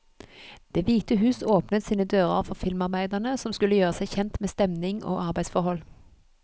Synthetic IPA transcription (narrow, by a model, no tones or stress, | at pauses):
d̪̥eːʋiːt̪əɦʉːsoːpnət̪siːnəd̪øːʁə̰ʁfɔʁfɪlmɑʁbæɪd̪əʁnəsɔmskʉləjøːʁəsæɪçɛnt̪meːst̪ɛmnɪŋo̰ːʔɑʁbæɪsfɔʁhɔl